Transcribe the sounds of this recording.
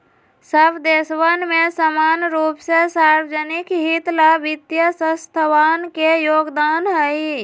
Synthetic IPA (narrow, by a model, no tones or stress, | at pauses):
səbʱd̪esʋənmẽsəmaːnɾuːpsesaɾwəd͡ʒənɪkɦit̪labɪt̪jəsəst̪ʰəʋaːnkejoːɡd̪aːnɦəi